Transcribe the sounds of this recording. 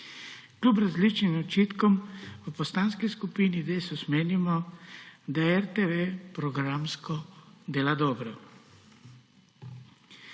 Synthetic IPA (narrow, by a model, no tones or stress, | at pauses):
klʲup̬ɾazlit͡ʃnimɔt͡ʃiːt̪kɔmwəpɔst̪anskiskupiːnid̪eːsusmeːnimɔ | d̪aɛɾt̪eʋepɾɔɡɾamskɔd̪eːlad̪ɔːbɾɔ